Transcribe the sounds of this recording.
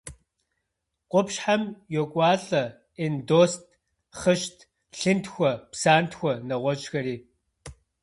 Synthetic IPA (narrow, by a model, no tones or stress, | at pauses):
qʷʼʊpʃħamjokʷʼɑːɬʼɐ | ɪndoːstʰ | χəʃtʰ | ɬɨntxʷɔpsaːntxʷɔnɐʁʷɔt͡ʃʼxɐɾiː